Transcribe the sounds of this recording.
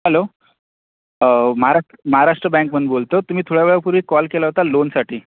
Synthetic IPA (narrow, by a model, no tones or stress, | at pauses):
ɦəlo | məɦaɾaəməɦaɾaʂʈɾəbɛ̃ŋkmənbolt̪ət̪um̤iːt̪ʰoɽjaʋeɭapuɾiːkɔlkelaɦot̪alonsaʈʰiː